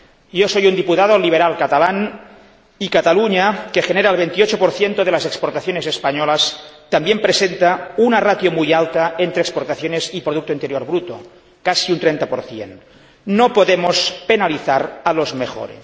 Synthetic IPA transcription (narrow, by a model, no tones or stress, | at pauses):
josojund̪iput̪aðoliβ̞eɾalˠkat̪alan | ikat̪aluɲakexeneɾaelβ̞ent̪iot͡ʃopoɾθjent̪oð̞elazekspoɾt̪aθjonesespaɲolast̪ambjempɾesent̪aunarat̪jomujalˠt̪aent̪ɾeːkspoɾt̪aθjonezipɾoðuk̚t̪oint̪eɾjoɾβɾut̪o̰ | kasiunt̪ɾent̪apoɾθjḛnː | opoðemospenaliθaɾalozmexo̰ɾḛ